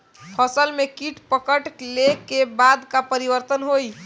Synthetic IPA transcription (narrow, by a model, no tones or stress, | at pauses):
pʰəsəlmekiʈʰpəkəʈlekebad̪kapəɾibəɾt̪ənɦoj